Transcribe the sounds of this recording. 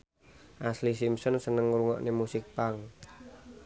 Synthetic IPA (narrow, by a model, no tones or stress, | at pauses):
ʔaslisimsɔnsənəŋuɾuŋɔ̰ʔnemusɪk̚paŋ